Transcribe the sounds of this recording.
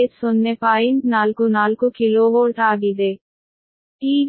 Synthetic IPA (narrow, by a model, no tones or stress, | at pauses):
sonːepaːjiɳʈnaːlkunaːlkukiloːʋoːʈaːɡid̪e | iː